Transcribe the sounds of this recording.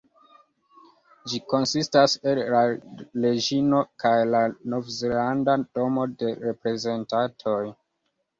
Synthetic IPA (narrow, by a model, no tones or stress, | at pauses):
d͡ʒiko̞nsistase̞lːale̞d͡ʒino̞kajlano̞vzelandado̞mo̞de̞ɾe̞pɾe̞ze̞ntatʰo̞j